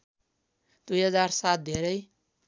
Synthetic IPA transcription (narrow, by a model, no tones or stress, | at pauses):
d̪ujɦʌd͡zarsat̪̚ʰd̪ʱeɾʌj